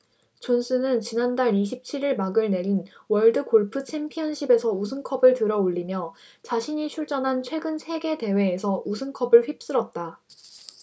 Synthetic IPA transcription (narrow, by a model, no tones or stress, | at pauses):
t͡ɕonsʰɯnɯnt͡ɕinandaɾiɕ̬ʰip̚t͡ɕʰiɾiɭmaɡɯɭne̞ɾinwʌɭdɯkoɭpʰɯt͡ɕʰe̞mpʰijʌnɕʰibe̞sʰʌusʰɯŋkʰʌbɯɭtɯɾʌoʎːimjʌ | t͡ɕaɕʰiɲit͡ɕʰuɭt͡ɕ͈ʌnɦant͡ɕʰwe̞ɡɯnsʰe̞ɡe̞te̞we̞ːsʰʌʔusʰɯŋkʰʌbɯɭɸɥip̚s͈ɯɾʌt̚t͈a